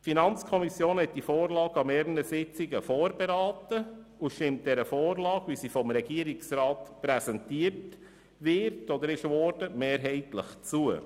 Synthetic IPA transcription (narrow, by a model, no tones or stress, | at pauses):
tfinɑnt͡skʰɔmisjoːnhɛt̚d̥ifoːɾlɑːɡɑmɛːɾnəsɪt͡sɪɡəfoːɾbeɾɑːtəuʃtɪmt̚d̥ɛɾəfoːrlɑːɡʋisifɔmɾɛɡiəɾɪksɾɑːtpɾɛsɛntiəɾt | ʋɪɾtɔd̪əɾɪʃʋɔːɾd̥əmeːɾɦɛɪtlə̰χt͡suə